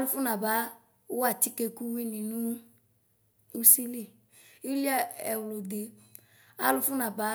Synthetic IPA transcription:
lʊ˧fʊ˦na˨ba˨˦ | a˦˨ti˦ke˧ku˦wi˦nĩ˨nũ˦ | u˦si˦li˦˨ | i˦li˦a˦ɛ˨wlo˨de˨ | a̰˦lʊ˧fʊ˦na˨ba˨˦

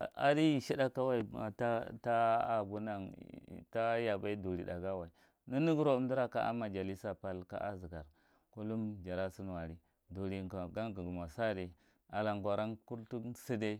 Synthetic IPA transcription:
a̰˨di˦˨ʃi˦da˦ka˦wa˦i˨a̰˨ta˦ta˦a˨ɡu˦na˨ŋ̰˨ta˦ja˨ba˦i˦du˨ɾi˨da˨ɡa˦wa˨i˨ | ni˦ni˦ɡɾo˦u˨m˦du˦ɾa˦ka̰˦ʔa̰˦ma˨d͡ʒa˨li˦sa˨pa˦lka̰˦ʔa̰˦zi˨ɡa˨ɾ | ku˦lu˦md͡ʒa˨ɾa˦si˦n˨wa˨ɾi˦ | du˨ɾi˨a˨ɡa˦ŋɡɡu˨ma˨sa˦de˨ | a˨la˨ŋɡʷa˨ɾa˦nku˦ɾtu˦si˦de˦

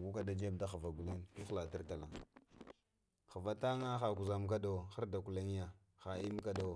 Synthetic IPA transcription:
ɡu˦ka˦da˦d͡ʒe˦bda˦xa˨va˨ɡu˨li˦ntu˦xla˨ti˦ɾta˨la˨ | xa˨va˦ta˦ŋa˦xa˨ku˨za˨mk̬a˦do˨xa˦ɾda˨ku˨la˦ŋ˦ja˨ | xa˨i˦m˦ka˦do˨

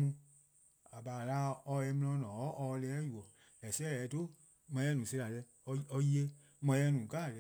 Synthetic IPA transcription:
nũ˧˦ | a˨baː˨la˦ɔ˧˦jɛ˧˦mĩ˧l̃ɔ̃˧˦nɔ̃˨ɔ˨˦ʔɔ˧lɛ˦ju˨ɔ˨ | ɛ˨sɛ˦ɛ˨˧˦to˦˨ | mã˧˦ɛ˦nũː˨se˧la˨lɛ˧˦ | ɔ˧ɔ˧ji˦e˧ | mã˧˦ɛ˧˦nũː˨ka˦˨lɛ˧

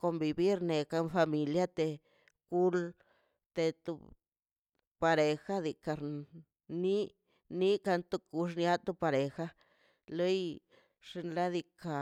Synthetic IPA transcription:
ko˧mbi˧bi˦ɾne˨ka˧nfa˧mi˨lja˦t̪e˨ | ku˦l | t̪e˧t̪u˧ | pa˧ɾe˨xa˦d̪i˧ka˧ɾ | ni˦ | ni˦ka˧nt̪u˧ku˧ʂ̬nja˦t̪u˧pa˧ɾe˨xa˦ | lo˦j | ʂi˧nla˦d̪i˧ka˧˨

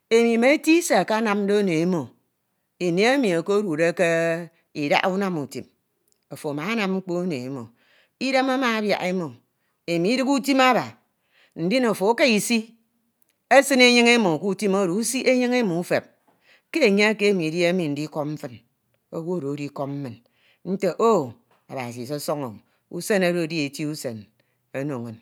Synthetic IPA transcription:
e˨mi˨me˨e˦ti˦se˨ka˦na˦mn̩˦do˦o˦ne˨e˦mo˨ | i˨ne˨˦e˦mi˨o˨ko˦o˦ɾu˨ɾe˦ke˦ | i˨da̰˦ʔu˦na˦mu˨tḭ˨m | o˨fo˨ma˨a˦na˨mŋ͡m̩˦k͡po˦o˦nḛ˨e˦mo̰˨ | i˦de˦ma˦ma˨a˦bja̰˨ʔe˦mo˨ | e˨mi˨i˦dɨ˦ku˦ti˦ma˦ba˨ | n̩˨di˦no˨fo˨˦ke˦i˨si˦ | e˦sɨ˦ne˦ɲɨ˦ŋe˦mo˨ku˦ti˦mo˦ɾo˨u˦si˦ʔe˦ɲɨ˦ŋe˦mo˨u˦fe˨p̚ | ke˦e˨ɲe˦a˦ke˦e˦mi˨dji˦e˦mi˨n̩˨di˦ko˦pm̩˦fɨ˦n | o˦wu˦o˦ɾo˨o˦di˦ko˦p̚m̩˦mɨ˨n | n̩˦te˦ʔo˦ | a˨ba˨s̬i˨so˦so˦ŋo̰˨ | u˦se˦na˦ɾo˨˦di˦e˨ti˦u˦se˨n | o˦no˨ŋo˨n

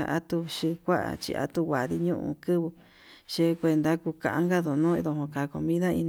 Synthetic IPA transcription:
a˧ʔa̰˦t̪u˧ʃi˧kʷa˦ʔa̰˨t͡ʃḭ˧a̰˧t̪u˧wʷa˨ði˧ɲũ˦ʔṵ̃˧kɨ˦βu˧ | ʃe˧kʷe˧nd̪a˦ku˧kã˧ʔa˧ŋɡa˦ðo˨nũ˦i˧ðo˧˨hõ˧ka˨˧ko˧mĩ˦ða˦i˧ñ

